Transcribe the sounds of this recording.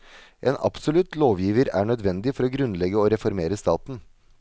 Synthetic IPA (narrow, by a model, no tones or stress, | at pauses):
ʔḛːnʔɑ̰psʊlʉt̪loːʋjiːʋəɾæ̰ːɳœd̪ʋɛnd̪ɪfɔɾɔːɡɾʉnlɛɡəoːɾɛfɔɾmeːɾəst̪ɑːt̪n̩